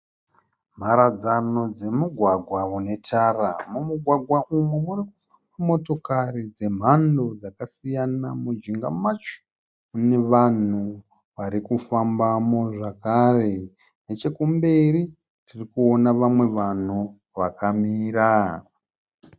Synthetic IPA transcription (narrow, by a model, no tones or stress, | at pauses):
m̤aɾad͡zano̞d͡ze̞muɡʱwaɡʱwaune̞tʰara̰mumuɡʱwaɡʱwaʔumwemurikufambamo̞to̞karid͡ze̞m̤ando̞d͡zakasijanamud͡ʒiŋɡamat͡ʃo̥ | une̞ʋan̤u | ʋaɾikufambamo̞ʐakare̞ | net͡ʃe̞kumbe̞ri | tirikuo̞naʋamwe̞ʋan̤u | ʋakamiːra